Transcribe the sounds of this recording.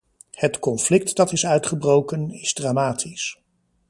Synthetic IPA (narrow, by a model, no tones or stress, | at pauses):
hətkɔnflɪk̚tdɑtɪsœɥtχəbrowkənɪz̥draːmaːtʰis